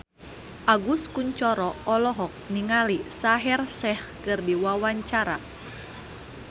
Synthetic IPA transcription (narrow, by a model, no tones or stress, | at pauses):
ʔaɡuskuɲt͡ʃɔɾɔɔlɔɦɔk̚niŋalisaɦɛrsɛhkɨrdiwawaɲt͡ʃaɾa̰